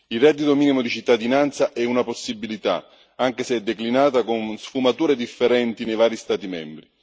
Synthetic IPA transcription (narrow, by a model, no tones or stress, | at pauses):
ilrɛd̪ːit̪omiːnimod̪it͡ʃit̪ːad̪inant̪saʔɛunaposːibilit̪a̰ | aŋk̟eseɛd̪ːeklinaːt̪akonsfumat̪uːɾed̪ifːeɾɛnt̪inejvaːɾist̪aːt̪imɛ̰mbɾi